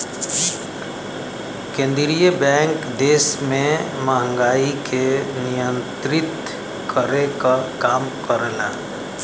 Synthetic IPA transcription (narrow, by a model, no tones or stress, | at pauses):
kẽːnd̪ɾijəbɛ̃ːŋkd̪eːsmẽmaɦə̃ŋɡaːikʰenɪjə̃nt̪ɾɪt̪ | kʰəɾekakaːmkəɾlaː